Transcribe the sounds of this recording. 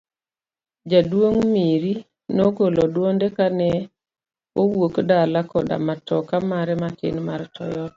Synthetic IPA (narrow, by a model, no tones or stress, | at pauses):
d͡ʒadwoŋmiɾi | noɡolɔdwondekanɛ | owokdalakɔda̰matɔkamaɾɛmakḛnmaɾtʰɔ̰jɔ